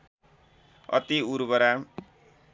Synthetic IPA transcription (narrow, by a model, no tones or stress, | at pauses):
ʌ̰t̪iuɾbʌɾa